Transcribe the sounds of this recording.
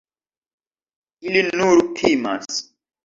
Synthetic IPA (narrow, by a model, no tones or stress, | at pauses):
ilinuɾtʰima̰s